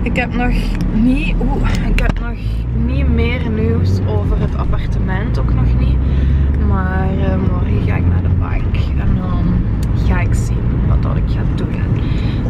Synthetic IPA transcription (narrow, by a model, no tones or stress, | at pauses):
ɪkɦɛpnɔx | ni | u | ɪkɦɛpnɔx | nimɪːrniwsoːvərɦətʰa̰pɑrtəmɛntoknɔxni | maːrmɔriɣa̰ːɪkna̰ːrdəbɑ̰ŋk | ɛnɔn | ɣaːɪksinʋɑ̰t̚dɑ̰nɪkxaːdun